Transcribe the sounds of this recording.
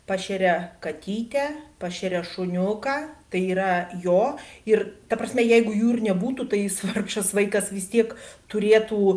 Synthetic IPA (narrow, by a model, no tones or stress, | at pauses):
pɑːʃʲɛɾʲɛkɐt̪ʲiːt̪ʲæpɑːʃʲɛɾʲɛʃʊnʲʊkɑːt̪ɐɪiːɾɐjoːɪrt̪ɐpɾɐsʲmʲɛjɛɪɡʊjuːɪrnʲɛbuːt̪ut̪ɐɪsʋɐrkʃɐsʋɐɪkɐsʋʲɪst̪ʲiɛkt̪ʊɾʲeːt̪uː